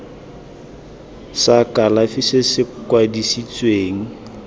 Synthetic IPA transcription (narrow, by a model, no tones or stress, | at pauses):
sakalafisɪsɪkwadisit͡sʼweːŋ̩